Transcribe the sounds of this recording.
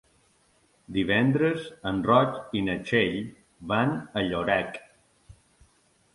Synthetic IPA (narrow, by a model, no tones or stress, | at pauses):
d̪iβɛnd̪ɾəzənrɔkinət͡ʃeʎ | βanəʎoɾɛk